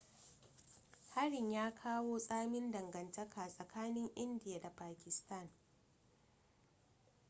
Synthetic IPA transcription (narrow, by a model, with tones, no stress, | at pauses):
ha˦ɾɪ˨ɲjaː˦kʰaː˦woː˦sʼaː˦mɪ˦ndɐ˨ŋɡɐ˨ntɐ˦kʰaː˨sʼɐ˨kʰaː˦nɪ˦ŋʔɪ˦ndɪ˨ja˨da˨paː˨kʲɪ˨sta˦˨n